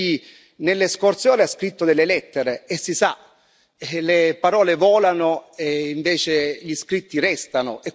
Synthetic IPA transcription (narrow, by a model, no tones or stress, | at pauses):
nelːeskort̪sjoːneaskɾit̪ːod̪elːelɛt̪ːeɾeesːisa | lepaɾɔːlevɔːlanoeiɱveːt͡ʃeʎiskɾit̪ːirɛst̪anoʔe